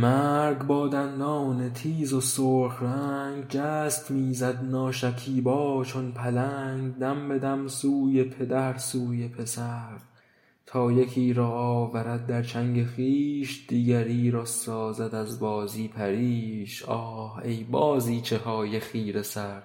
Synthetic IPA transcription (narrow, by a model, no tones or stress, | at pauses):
mæɾɡbɒːd̪ænd̪ɒːne̞t̪ʰiːzosoːɾxɾæŋɡd͡ʒæːst̪miːzæd̪nɒːʃækʰiːbɒːt͡ʃʰonpʰælæːŋɡd̪æmbe̞d̪æmsuːje̞pʰe̞d̪æɾsuːjepʰesæɾd̪̥ | t̪ʰɒːjekʰiːɾɒːɒːvæɾæd̪̚d̪æɾt͡ʃʰæŋɡexiːʃd̪iːɡæɾiːɾɒːsɒːzæd̪æzbɒːziːpʰæɾiːʃɒːhejbɒːziːt͡ʃʰe̞hɒːje̞xiːɾesæɾd̪̥